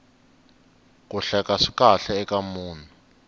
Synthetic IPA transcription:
k̬ʼuɬɛkʼaʂi̥k̬ʼaɬɛːk̬ʼamuːna

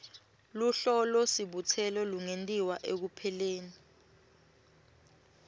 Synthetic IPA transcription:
luɬɔlosiɓutʰɛlɔluŋentʼiwaʔek̬upʰɛleːni

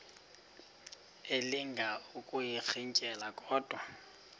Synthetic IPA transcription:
elɪŋɡʱaukʼʊjik͡xʰiŋ̩t͡ʃʼɛlakʼɔːd̥ʱwa

